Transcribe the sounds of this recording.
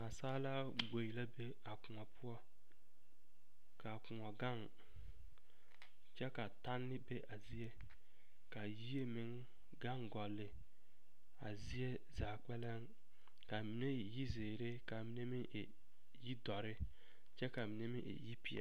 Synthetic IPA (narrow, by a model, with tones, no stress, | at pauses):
a˨saː˦la˦ | ɡ͡bo˨ji˨la˦be˦ | a˨kʊ˨ŋɔ˨pʰʊ˦ɔ˦ | ka˨kʊ˨ŋɔ˨ɡa˦˨ŋ | t͡ʃɛ˦ka˨ta˦nːɪ˦be˦ʔa˨zi˦e˦ | ka˨ji˦e˦mɪ˨˦ŋ | ɡa˦ŋɡɔ˨lːɪ˨ | a˨zi˦e˦ | za˨k͡pɛ˦lɛ˦ŋ | ka˨mi˨ne˦˨ji˦zeː˨ɾe˦ka˨mi˦ne˦mɪ˦ʔḛ˨ | ji˦dɔ˨ɾɪ˦ | t͡ʃɛ˦ka˨mi˨ne˦mi˦ʔḛ˨ji˦pi˨ɛ̰˨